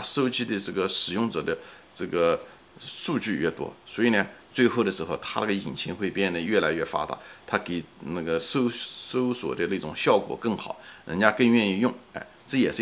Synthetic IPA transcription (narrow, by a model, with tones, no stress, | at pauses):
a˥so˥ʊt͡ɕi˥d̪ə˧ʈ͡ʂɤ˥˩ɡə˩ʂɻ̩˨˩jʊ˥˩ŋt͡sɤ˨˩d̪ə˦ | ʈ͡ʂɤ˥˩ɡə˩ | su˥˧t͡ɕy˥˧ɥɛ˥˩t̪wɔ̰˥swɔ˧˥i˨˩nə˧t͡swe˥˧ɪxo˥˩ʊd̪ə˩ʂɻ̩˧˥xo˧ʊt̪ʰa˥na˥˩ə˩i˨˩nt͡ɕʰi˧˥ŋxwe˥˧ɪpjɛ˥˩nd̪ə˩ɥɛ˥˩la˧˥ɪɥɛ˥˩fa̰˥t̪a̰˨˧˩t̪ʰa˥ke˨˩ɪna˥˩ɡə˩so˥ʊso˥ʊswɔ̰˨˩d̪ə˦na˥˩ʈ͡ʂʊ˨˩ŋɕjɑ˥˩ʊkwɔ̰˨˩˦kɤ˥˩ŋxɑ˨˩˦ʊɻə̰˧˥nt͡ɕja˥kɤ˥˧ŋɥɛ˥˧ni˥˧jʊ˥˩ŋɛ̰˥˧˩ | ʈ͡ʂɤ˥˩jɛ˨˩ʂ̩˥˧